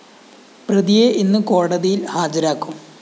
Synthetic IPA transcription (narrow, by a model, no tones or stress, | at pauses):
prɐðijeʔinːɨko̞ːɽɐðijilhaːd͡ʑɐɾaːkːum